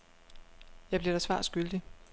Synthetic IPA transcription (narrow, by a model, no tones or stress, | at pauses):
jɑ̈b̥liɐɾ̥ɑsʋɑ̰̈ːsɡ̥yld̥i